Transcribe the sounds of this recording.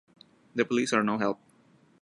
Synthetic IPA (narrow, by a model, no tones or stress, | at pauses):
d̪əpəliːsaɾnoːɦɛlp̚